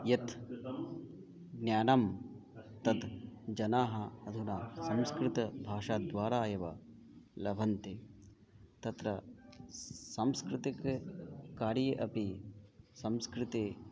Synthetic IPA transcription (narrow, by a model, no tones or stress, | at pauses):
jɐt̪ | ɡnjaːnɐm | t̪ɐd̪d͡ʒɐnaːɦɐɐd̪ʱunaːsɐmskɾɪt̪ɐbʱaːʂaːd̪ʋaːɾaːjɐʋɐ̰ | lɐbʱɐnt̪e | t̪ɐt̪ɾɐ | saːmskɾɪt̪ik | kaːɾjeʔɐpi | sɐmskɾɪt̪eː